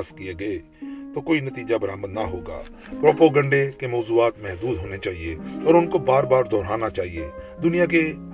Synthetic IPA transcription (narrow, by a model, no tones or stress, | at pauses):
skijeɡəe | t̪oːkoːinət̪iːd͡ʒabəɾaːməd̪naɦoːɡa̰ː | pɾoːpoɡə̃ɳɖekemɔːzuːaːt̪mɛɦd̪uːd̪ɦoːnet͡ʃaːɦieɔːɾʊnkobaːɾbaːɾd̪ʱɔːɾaːnat͡ʃaːɦied̪ʊnɪjak̬e